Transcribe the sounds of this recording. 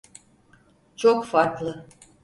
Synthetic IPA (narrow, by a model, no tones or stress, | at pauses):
t͡ʃʰokfaɾklˠɯ